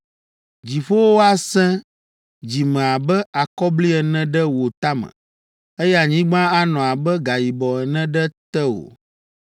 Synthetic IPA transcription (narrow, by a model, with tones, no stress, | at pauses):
d͡ʑi˨ɸo˦wo˦a˦sɛ̃˦ | d͡ʑi˨mɛ̃˨a˨bɛ˦a˨kɔ˦bli˦ɛ˨nɛ̃˦ɖɛ˦wo˨t̪a˦mɛ̰̃˨ | ɛ˦ja˨ɲĩ˦ɡ͡bã˦a˦nɔ̃˨a˨bɛ˦ɡa˨ji˨bɔ˨ɛ˨nɛ̃˦ɖɛ˦t̪ɛ˦wo̰˨